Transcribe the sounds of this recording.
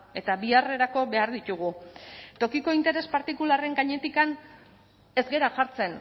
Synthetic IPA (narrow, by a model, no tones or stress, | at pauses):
e̞t̪aβiare̞ɾako̞βe̞aɾðit̪uɣ̞ut̪o̞kiko̞int̪e̞ɾe̞spaɾt̪ikulare̞ŋɡaɲe̞t̪ikan | e̞zɡe̞ɾaʝaɾt͡se̞n